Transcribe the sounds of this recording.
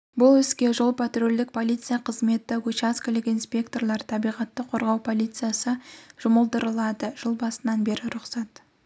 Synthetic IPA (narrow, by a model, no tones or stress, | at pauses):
bʊlˠwɪzkʲe̞ʒolˠpʰat̪ruld̪ɪk̚pʰo̞lʲijt̪sɨjaqʰəzme̞t̪ɪwɵt͡ʃaskəlɪkinspʲe̞kt̪o̞rlˠɑɾt̪ʰɑbijʁɑt̪ːəqʰo̞ɾʁɑwpʰo̞lʲˠit̪sɨjasəʒ̥ʊməlˠd̪əɾəlˠɑd̪əʒ̥ʊlˠbɑsənɑnbe̞ɾɪɾʊqsɑt̪